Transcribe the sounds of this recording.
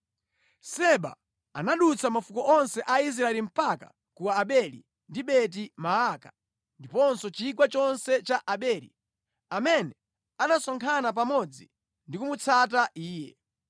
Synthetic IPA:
sɛɓa̰ | anaɗut͡sʰamafukɔʔɔnsɛʔais̬ɾaɛlim̩paka̰ | kuwaːɓɛlḭ | ndiɓɛt̬imaaka | ndipɔnsɔt͡ʃik̬wat͡ʃɔnsɛt͡ʃaʔaɓɛːlḭ | amɛnɛ | anasɔŋkʰanap̬amɔd͡zi | ndikumut͡sʰataʔiːjɛ̰

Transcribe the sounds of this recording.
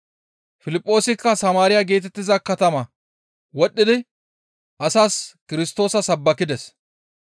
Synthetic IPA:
fɪlɪpʼːo̞ːsɪkːɐsɐmaːɾɪjaɡe̞ːt̪ɛt̪ːɪzɐkɐt̪ɐmɐ | wɔɗːɪd̪ɪ | ʔɐsaːskɪɾɪst̪o̞ːsɐsɐbːɐkːɪd̪ɛs

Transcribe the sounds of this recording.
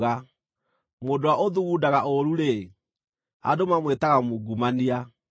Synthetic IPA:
ɣa | modowaʔoðuɣudaɣaʔoɾuɾe | a̰domamwetaɣamuɡumania

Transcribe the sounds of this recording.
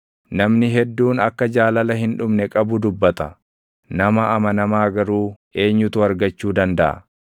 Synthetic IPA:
nɐmnɪɦɛd̪ːuːnɐkːɐd͡ʒaːlɐlɐɦɪnᶑʊmnɛkʼɐbʊd̪ʊbːɐt̪ɐ | nɐmɐʔɐmɐnɐmaːɡɐɾuː | e̞ːɲːʊt̪ʊɐɾɡɐt͡ʃːuːd̪ɐnd̪ɐʔɐ̰

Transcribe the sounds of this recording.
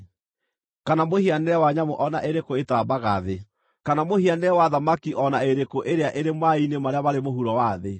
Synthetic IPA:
kanamohianɛwaɲamoʔɔnaʔeɾekoetaːbaɣa̰ðe | kanamohianɛwaðamakiʔɔnaeɾekoʔeɾeaʔeɾemwainemaɾeaβaɾemoɦuɾɔwaðe

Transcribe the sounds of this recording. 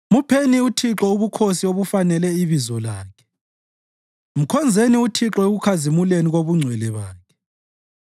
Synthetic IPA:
mupʰeniutʰiǁɔuβukʰosioβufanɛlɛiβizɔlaːkʰɛ̥ | m̩kʰɔnd͡zʱeniutʰiǁɔeɣukʰazimuleniɣoβuŋ͡ǀʱwɛlɛβaːkʰɛ̥

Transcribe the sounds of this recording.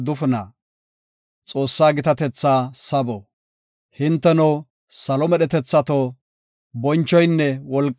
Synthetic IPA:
d̪ʊfʊnɐ̰ | t͡sʼo̞ːsːaːɡɪt̪ɐt̪ɛt͡sːaːsɐbɔ | hɪnt̪ːɛnɔw | sɐlɔmɛɗɛt̪ɛt͡sːɐt̪o | bɔnt͡ʃːɔjnːɛwɔlkʼ

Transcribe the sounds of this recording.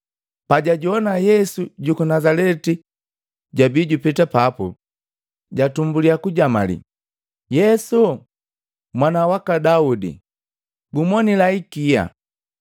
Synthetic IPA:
paɟaɟuɔnajɛsuɟukunazalɛti | ɟabiɟupitapapṵ | ɟatumbuliakuɟama̰lḭ | jɛsu | mwanawakadaudḭ | ɡumwɔnilaikija̰

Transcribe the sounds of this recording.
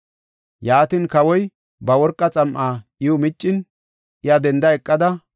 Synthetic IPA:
jaːt̪inkɐwɔj | bɐwɔɾkʼːɐt͡sʼɐmʔaːʔɪjʊmɪt͡ʃʼːɪn | ʔɪjɐd̪ɛnd̪ɐɛkʼːɐd̪ɐ

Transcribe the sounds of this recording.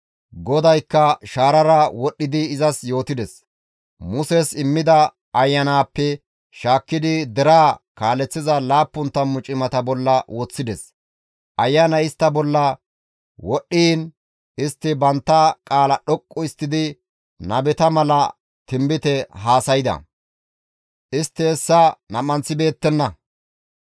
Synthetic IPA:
ɡɔd̪ɐjkːɐʃaːɾɐɾɐwɔɗːɪd̪ɪːzɐsjo̞ːt̪ɪd̪ɛs | mʊsɛsɪmːɪd̪ɐ | ɐjːɐnaːpːɛ | ʃaːkːɪd̪ɪd̪ɛɾaːkaːlɛt͡sːɪzɐlaːpːʊnt̪ːɐmːʊt͡ʃʼɪmɐt̪ɐbɔlːɐwɔt͡sːɪd̪ɛs | ʔɐjːɐnɐɪst̪ːɐbɔlːɐ | wɔɗːiːn | ɪst̪ːɪbɐnt̪ːɐkʼaːlɐɗɔkʼːɔɪst̪ːɪd̪ɪ | nɐbɛt̪ɐmɐlɐ | t̪ɪmbɪt̪ɛɦaːsɐjɪd̪ɐ̰ | ʔɪst̪ːɛːsːɐnɐmɐnt͡sːɪbe̞ːt̪ːɛnːɐ

